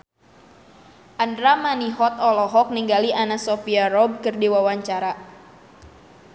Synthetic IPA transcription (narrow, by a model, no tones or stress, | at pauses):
ʔandɾamaniɦɔt̪ɔlɔɦɔk̚niŋɡaliʔanasofiaɾɔb̚kɨrdiwawaɲt͡ʃaɾa